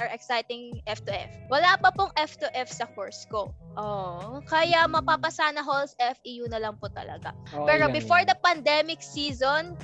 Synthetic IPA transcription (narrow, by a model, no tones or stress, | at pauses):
ɐɹʔɛksajt̪ɪŋʔɛft̪uʔɛfwɐlapɐpoŋʔɛft̪uʔɛfsɐkoɹskoʔokɐjamɐpapɐsaːnɐɦolsʔɛfʔijunɐlɐŋpʊt̪ɐ̰lɐ̰ɡa̰pɛːɾobɪfoɹd̪ɐpɐnd̪ɛmɪk̚siːzon